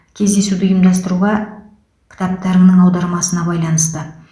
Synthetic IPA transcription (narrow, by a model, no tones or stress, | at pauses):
kʲʰe̞zd̪e̞sud̪ɪjəmd̪ɑs̬t̪əɾuʁɑ | kʲʰɪ̥t̪ɑp̚t̪ɑɾəŋnəŋɑwd̪ɑɾmɑsənɑbɑjlˠɑnəst̪ə